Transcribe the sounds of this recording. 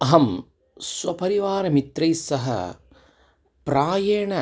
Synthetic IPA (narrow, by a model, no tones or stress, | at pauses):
ɐɦɐm | swɐpɐɾiʋaːɾɐmit̪ɾɐjsːɐɦɐ̰ | pɾaːjeːɳɐ